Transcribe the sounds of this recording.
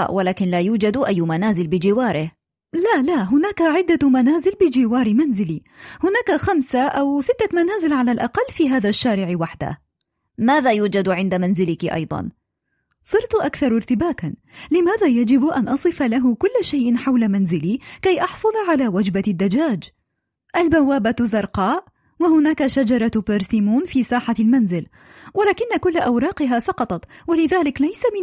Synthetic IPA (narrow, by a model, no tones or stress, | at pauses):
a̰walaːkɪnlaːjuːd͡ʒad̪ʔajːmanaːzɪlbɪd͡ʒɪwɑːɾɪh | lalaɦʊnaːkaʕɪd̪ːamanaːzɪlbɪd͡ʒɪwɑːɾmanzɪli | hʊnaːkaxamsaʔawsɪt̪ːamanaːzɪlʕalalʔɑqɑlːfiːɦaːðaʃːaːɾɪʕwaħd̪a̰h | maːðaːjuːd͡ʒad̪ʕɪnd̪amanzɪlɪkiʔɑ̰jd̪ˤɑ̰n | sˤɨɾt̪ʔakθɑɾˤɪɾt̪ɪbaːka | lɪmaːðaːjad͡ʒɪbʔanʔɑsˤɨfalaɦʊkʊlːʃajʔɪnħawlamanzɪliːkajʔɑħsˤʊlʕalaːwad͡ʒbad̪ːad͡ʒaːd͡ʒ | ʔalbawːaːbazɑɾˤqɑːʔ | wahʊnaːkaʃad͡ʒɑɾˤɑbɪɾsimuːnfiːsaːħalmanzɪl | walaːkɪnːakʊlːʔawɾˤɑːqɪɦaːsˤɑqɑt̪ˤɑt̪walɪðaːlɪklajsamɪ